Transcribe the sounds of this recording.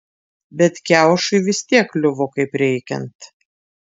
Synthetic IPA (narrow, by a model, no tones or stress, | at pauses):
bʲɛt̪kʲæˑʊʃʊɪʋʲɪsʲt̪ʲiɛklʲʊʋokɐɪpɾʲɛɪkʲɛ̰nt̪